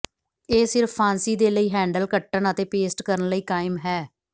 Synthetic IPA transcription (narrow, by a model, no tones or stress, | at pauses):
eːsɪɾfʰːaːnsiːd̪eːləiːɦɛ̃ːɳɖəlkəʈːəɳət̪eːpeːsʈkəɾənləiːkaːɪmɦɛː